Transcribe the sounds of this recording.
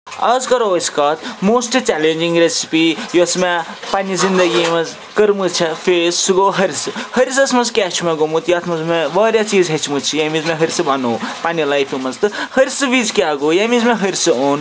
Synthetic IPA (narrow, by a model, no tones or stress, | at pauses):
ɐzkɐɾooskat̪moːsʈt͡ʃɛlend͡ʒĩŋɡɾesi̥pijosmepanizind̪ɐɡimɐz | kɐɾmut͡ʃʰɛfʰessuɡoɦɐɾʲsɨhɐɾs̬ɐsʰmɐzkʲɛt͡ʃmeɡomut̪jat̪ʰmɐzmeʋɐːɾjat͡ʃiːzɦet͡ʃʰmut͡ʃʰijamizmeɦɐɾsɨbanoːpanilajpʰumɐzt̪ɨhɐɾʲisɨʋizkʲaɡojamizmeɦɐɾʲsɨoːn